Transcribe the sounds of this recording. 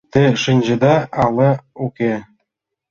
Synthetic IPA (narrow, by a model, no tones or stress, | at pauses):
t̪ɘ̆ʂɯnʲd͡ʑɘ̆d̪ɑɑlˠɤukʲe